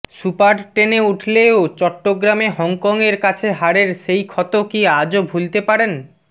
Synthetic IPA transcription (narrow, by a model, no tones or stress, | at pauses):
supaɖʈeneuʈʰleot͡ɕɔʈːoɡɾameɦɔŋkɔŋeɾkat͡ɕʰeɦaɽeɾʃejkʰɔt̪okiad͡ʑobʱult̪epaɾen